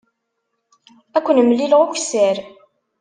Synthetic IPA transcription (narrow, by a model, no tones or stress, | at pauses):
ækʷːənmlːilʁʊçsæɾ